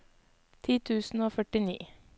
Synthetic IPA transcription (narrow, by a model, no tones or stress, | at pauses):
t̪ʰiːt̪ʰʉːsn̩oːfœʈɪnḭː